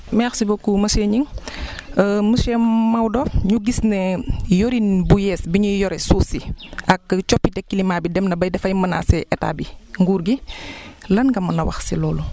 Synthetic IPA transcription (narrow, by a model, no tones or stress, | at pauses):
mɛxsibɔkːumɐsɛɲiŋ | əməʃɛmmɐwdɔɲuɡisnɛjoɾinbujɛːsbiɲujɔɾɛsuːsiɐkt͡ʃɔpːidɛkːilimaːbidɛmnɐbɐjdɛfɐjmɐna̰sɛʔɛta̰ːbiŋɡuːɾɡi | lɐnɡɐmɐnɐwɐ̰xsilɔːlu